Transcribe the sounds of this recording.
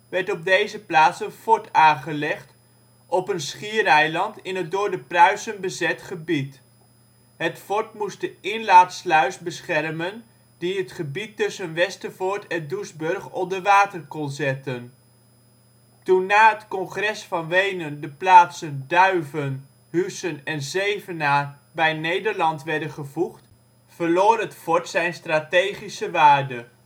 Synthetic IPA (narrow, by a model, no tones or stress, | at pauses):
ʋɛɹtɔb̚dejzəplaːtsənfɔɹtaːχəlɛχt | ʔɔpənsχiəɾɛjlɑntɪnɦətdʊːɹdəprœɥsənbəzɛtχəbit | ɦətfɔɹtmustəɪnlaːtslœɥsbəsχɛrmən | diətχəbitːɵsənʋɛstəvʊɹtʰɛnduzbɵrχɔldəʋaːtərkɔnˠzɛtən | tunːaːɦətkɔnχrɛsfɑnʋejnəndəplaːtsəndœɥvən | ɦysənɛnzejvənaː | bɛjnejdəɹlɑntʋɛɹdənχəvuχt | v̥əɹloːrɦətfɔɹtsɛjnstraːtejχisəʋaːrdə